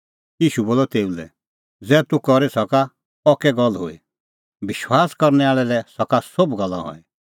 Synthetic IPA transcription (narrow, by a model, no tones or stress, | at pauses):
jiːʃuboːlɔt̪eːulɛ̰ | d͡zɛːt̪ukɔɾesɔka | ɔkɛɡɔlɦo̰ḭ | bɪʃwaːskɔɾnɛaːɭɛlɛsɔkasobɡɐlːã̰ɦɔ̰ɛ